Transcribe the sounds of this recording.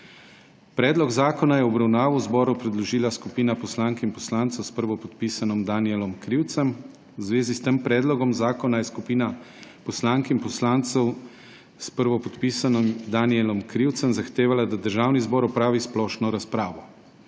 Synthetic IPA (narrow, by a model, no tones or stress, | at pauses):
pɾɛːd̪lɔɡzaːkɔnajɛɔbɾawnaːʋɔwzbɔːɾupɾɛd̪lɔʒiːlaskupiːnapɔslaːŋkimpɔslaːnt̪sɔwspəɾʋɔpɔt̪piːsanɔmd̪aniɛlɔmkɾiwt̪sɛm | wzʋeːzist̪əmpɾɛːd̪lɔɡɔmzaːkɔnajɛskupiːnapɔslaŋkimpɔslaːnt̪sɛw | spəɾʋɔpɔt̪piːsanɔmd̪aːniɛlɔmkɾiwt̪səmzaxt̪eːʋalad̪ad̪əɾʒaːwnizbɔːɾɔpɾaːʋisplɔʃnɔɾaspɾaːʋɔ